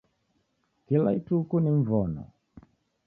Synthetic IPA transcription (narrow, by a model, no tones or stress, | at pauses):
kilaitukuniɱ̩vɔnɔ̰